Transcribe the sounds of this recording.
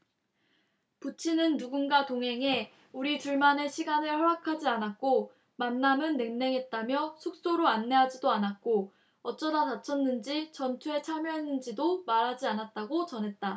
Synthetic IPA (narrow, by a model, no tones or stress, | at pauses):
put͡ɕʰinɯnːuɡunɡatoŋɦe̞ŋe̞ | uɾit͡ɕuɭmane̞ɕʰiɡanɯɭɸaakʰad͡ʑianat̚k͈o | manːamɯnːeŋne̞ŋɦe̞t̚t͈amjʌsʰuk̚s͈oɾoanːe̞ɦad͡ʑidoanat̚k͈o | ʌt͡ɕ͈ʌdatat͡ɕʰʌnːɯnd͡ʑit͡ɕʌnt͡ɕʰue̞t͡ɕʰamjʌɦenːɯnd͡ʑidomaɾɦad͡ʑianat̚t͈aɡot͡ɕʌnɦe̞t̚t͈a